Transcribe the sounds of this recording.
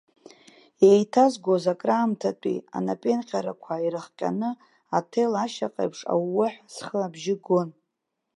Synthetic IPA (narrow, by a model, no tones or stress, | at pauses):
jejtʰazɡʷozakʼraːmtʰatʷʼḭa̰napʼenqʲʼaɾakʷʰaiɾɨχqʲʼa̰nɨ | atʰelaʃaqʼa̰pʰʂʼa̰wːʊħsχəabʒɪɡon